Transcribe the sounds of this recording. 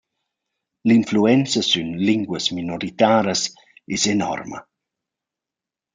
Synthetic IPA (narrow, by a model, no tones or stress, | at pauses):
linfluɛnt͡səsynliŋɡwəsminɔɾit̪aːɾəs | ɛsenɔ̰rmə̰